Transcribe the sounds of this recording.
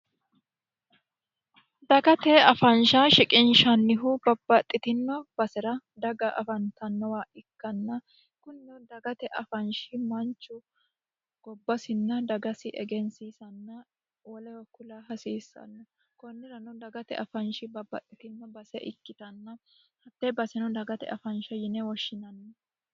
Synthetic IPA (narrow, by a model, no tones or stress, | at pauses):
d̪ɐɡɐt̪ɛɐfɐnʃaːʃɪkʼɪnʃɐnːɪɦʊbɐb̥ːɐt̪ʼːɪt̪ɪnːɔb̥ɐsɛɾɐd̪ɐɡɐʔɐfɐnt̪ɐnːɔwaːʔɪkːɐnːɐ | kʊnːɔd̪ɐɡɐt̪ɛʔɐfɐnʃɪmɐnt͡ʃːʊ | ɡ̥ɔbːɐsɪnːɐd̪ɐɡɐsɪʔɛɡɛnsiːsɐnːɐ | wɔlɛwɔkʊlaːɦɐsiːsːɐ̰nːɔ | kɔnːɪɾɐnɔd̪ɐɡɐt̪ɛ̰ʔɐfɐnʃɪbɐbːɐ̰t̪ʼːɪt̪ɪnːɔbɐsɛ̰ʔɪ̰kːɪt̪ɐnːɐ | hɐt̪ːɛbɐsɛnɔd̪ɐɡɐt̪ɛ̰ɐfɐnʃɐjɪnɛwɔʃːɪnɐnːɔ